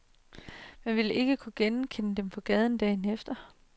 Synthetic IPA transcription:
mænʋe̝le̝ɡ̥əkʰuɡ̥enkʰenəd̥empʰɒ̽ɡ̥ɛð̞ˠn̩d̥ɛ̰ːnefd̥ɐ

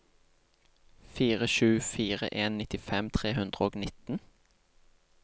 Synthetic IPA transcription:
fiːʁəʃʉːfiːʁə̰ʔeːnnɪt̪ɪfɛmt̪ʰʁeːhʉnd̪ʁəoːɡnɪt̪n̩

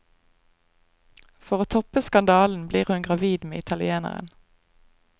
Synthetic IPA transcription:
fɔʁoːt̪ʰɔpəskɑnd̪ɑːln̩bliːʁhʉnɡʁɑʋiːd̪mḛːɪt̪ʰɑlɪeːnə̰ʁə̰n

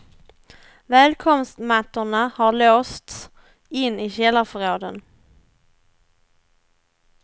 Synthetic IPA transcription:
vɛːlkʰɔmst̪mat̪ːʊɳahaɭoːst̪s | ɪnːɪɕɛlːaɾfɔɾoːd̪ən

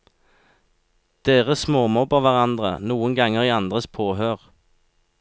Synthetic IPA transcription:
d̪̥eːʁəsmoːmɔbəʋæʁɑnd̪ʁənuːəŋɡɑŋəʁiːɑnd̪ʁəspʰoːhøːʁ

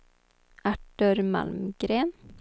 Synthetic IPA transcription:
ʔæʈəɾmɑ̰lmɡɾeːn

